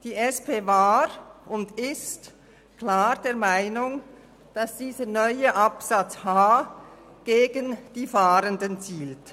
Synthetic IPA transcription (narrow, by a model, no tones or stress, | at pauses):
d̥iːʔɛspʰeːvaːɾʊndɪst | klaːʁd̥eːɐmaɪnʊŋ | d̥ɑsd̥iːzənɔʏəʔɑpsɑt͡shaː | ɡ̥eːɡənd̥iːfaːɾəndənt͡siːlt